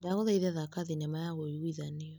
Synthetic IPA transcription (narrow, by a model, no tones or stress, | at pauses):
daɣɔðaiðɛðakaðinɛmajaɣɔiɣuiðaneɔ